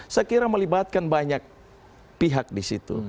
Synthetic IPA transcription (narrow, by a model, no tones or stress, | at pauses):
səkiɾaməlibat̪̚kanbaɲak̚ | piɦak̚disit̪ṵ